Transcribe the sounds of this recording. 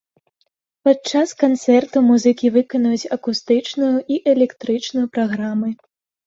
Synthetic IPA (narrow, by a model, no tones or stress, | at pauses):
pat͡ʂaskant̪sɛrt̪umuzɨkʲivɨkɔnɐjut͡sʲɐkust̪ɨt͡ʂnujuʔiʔɛlʲɛkt̪ɾɨt͡ʂnujupɾaɣɾamɨ